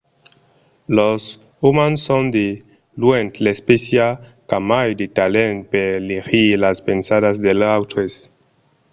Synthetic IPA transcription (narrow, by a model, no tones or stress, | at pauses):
los | umansond̪e | luent̪lespesjakamajd̪it̪alent̚peliɾilaspensadasd̪elawt̪ʰes